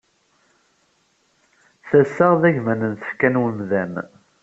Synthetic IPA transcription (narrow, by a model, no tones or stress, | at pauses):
θæsːæʁðæʝmænənθə̥fkænwəmðæn